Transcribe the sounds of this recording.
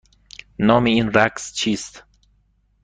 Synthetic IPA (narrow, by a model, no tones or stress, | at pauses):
nɔːmeinɾækst͡ʃʰiːst̪